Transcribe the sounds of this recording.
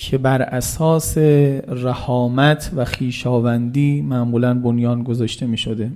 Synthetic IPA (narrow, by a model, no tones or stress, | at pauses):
cʰe̞bæɾʔæsɒːseræhɒːmæt̪ʰvæxiːʃɒːvænd̪iːmæʔmuːlænbonjɒːnɡozɒːʃt̪e̞miːʃod̪e